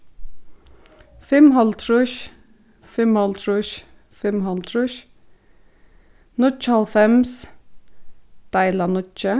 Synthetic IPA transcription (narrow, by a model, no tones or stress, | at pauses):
fɪmɦɑlt̪ʰɾʉʃ | fɪmhɑlt̪ʰɾʊʃ | fɪmhɑlt̪ʰɾʊʃ | nʊt͡ʃɑlfɛms | d̪̥æɪlɑnʊt͡ʃə